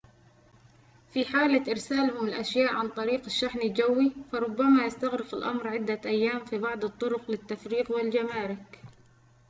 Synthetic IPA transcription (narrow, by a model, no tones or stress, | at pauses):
fiħaːlaʔɪɾsaːlhʊmɪlʔaʃjaːʔʕant̪ˤɑɾiːqɪʃːaħnɪld͡ʒawːifɑɾˤʊbːamajɪst̪aɣɾɪqɪlʔa̰mɾʕɪd̪ːaʔajːaːmfibɑʕd̪ˤɨt̪ˤːʊɾʊqlɪt̪ːafɾiːqwɪld͡ʒamaːɾɪk